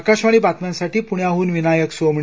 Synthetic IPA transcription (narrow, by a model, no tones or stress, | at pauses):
kaɕʋaɭ̃iːbat̪mansaʈiːpuɳjaɦuːnʋinajəksom